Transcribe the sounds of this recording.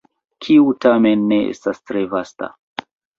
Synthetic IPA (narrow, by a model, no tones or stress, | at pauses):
kʰiutamenːe̞ʔḛstastɾe̞vasta̰